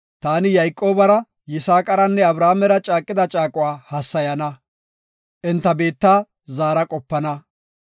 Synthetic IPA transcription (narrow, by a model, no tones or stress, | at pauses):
t̪aːnɪjɐjkʼːo̞ːbɐɾɐ | jɪsaːkʼɐɾɐnːɛɐbɾaːmɛɾɐt͡ʃʼaːkʼːɪd̪ɐt͡ʃʼaːkʼʊwaːhɐsːɐjɐnɐ | ʔɪnt̪ːɐbe̞ːt̪ːaː | zaːɾɐkʼɔpːɐnɐ